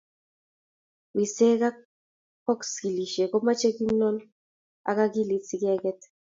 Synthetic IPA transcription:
wi˨se˦ka˦ | kɔ˦kski˨li˨ʃe˨kɔ˦ma˦t͡ʃe˦ki˦nɔ˦n | a̰˨ka˦ki˦li˨si˨ki˦ɛ˦kɛ˦t

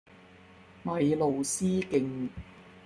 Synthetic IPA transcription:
mɐ˨˧jlo˨wsiː˥kɪ˧ŋ

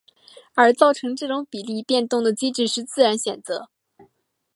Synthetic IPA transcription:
ə˞˧˥t͡sɑ˥˩ʊʈ͡ʂʰɤ˧˥ŋʈ͡ʂɤ˥˩ʈ͡ʂʊ˧˥ŋpi˨˩li˥˧pjɛ˥˧nt̪ʊ˥˩ŋd̪ə˩t͡ɕi˥ʈ͡ʂɻ̩˥˧ʂɻ̩˥˧t͡sɹ̩˥˩ɻa˧˥nɕjɥɛ˨˩nt͡sɤ˧˥

